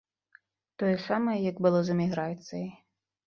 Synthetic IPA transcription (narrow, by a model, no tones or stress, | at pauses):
t̪ɔjɛsamɐjɛjɐɡbɨlˠɔzɐmʲiɣɾajt̪sʲɐ